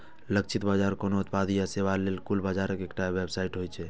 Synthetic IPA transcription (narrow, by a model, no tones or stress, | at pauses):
ləkt͡ʃʰit̪bad͡ʒaɾkonout̪̚pad̪ijaseʋalelkulbad͡ʒaɾəkekʈaʋebsaiʈɦojt͡ʃʰɛ